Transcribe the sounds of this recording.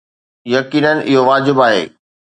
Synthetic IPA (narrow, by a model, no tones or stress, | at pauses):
jɐkiːnənʔɪɦoʋaːd͡ʑɪbaːɦḛː